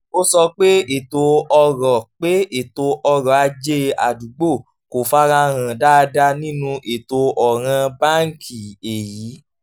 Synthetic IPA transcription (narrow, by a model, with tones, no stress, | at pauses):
o˦sɔ˧k͡pe˦e˦˨to˧ɔ˧ɾɔ˨k͡pe˦e˨to˧ʔɔ˧ɾɔ˨a˧d͡ʒe˦a̰˨du˨ɡ͡bo˦˨ | ko˨fa˦ɾã˧ɾ̃ã˨da˦˧da˧nĩ˦nũ˧ʔe˨to˧ʔɔ˨ɾ̃ã˧ba˦˨ŋ˨kʰi˨e˨jiː˨˦